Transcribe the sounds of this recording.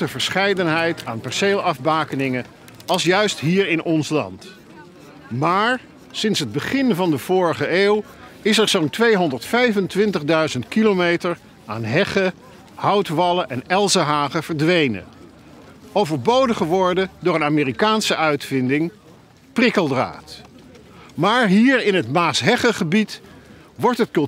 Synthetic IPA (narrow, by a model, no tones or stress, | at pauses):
təvəɹsχɛjdənɦɛjtʰaːnpɛɹsejlˠɑfbaːkənɪŋə | ɑlˠsjœɥstɦiːɹɪnʔɔnslɑ̰nt | maːɹ | sɪnsɦəd̚bəχɪnvɑndəv̥ʊːɹəχəʔeːw | ɪsɛɹzowntʋejɦɔndəɹtfɛjvəntʋɪntəχdœɥzəntkilomejtəɹ | aːnɦɛχə | hʌwtʋɑləʔɛnɛlˠzəɦaːχəv̥əɹdʋejnə̰ | owvəɹbowdəχəʋɔɹdədʊːɹənaːmɪːrikaːnsəʔœɥtfɪndɪŋ | prɪkəlˠdra̰ːt | maːɹɦiːɹɪnɦətmaːsɦɛχəχəbit | ʋɔɹtɦətkɵl